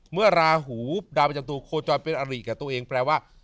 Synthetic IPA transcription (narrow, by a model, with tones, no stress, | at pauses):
mɯ˥˩ɐɾaː˧ɦuː˩˦p̚daː˧pa˧t͡ɕa˧t̪̬uː˧kʰoː˧t͡ɕɔː˧npe˧nʔa˧ɾiː˨˩kɛː˨˩t̪u˧ʔeː˧ŋpʰɾɛː˧waː˥˩